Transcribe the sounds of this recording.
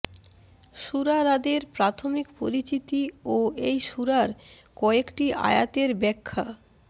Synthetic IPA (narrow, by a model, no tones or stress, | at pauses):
ʃuɾaɾad̪eɾpɾat̪ʰomikpoɾit͡ɕit̪ioejʃuɾaɾkɔekʈiʔa̰ja̰t̪eɾbɛkʰːa̰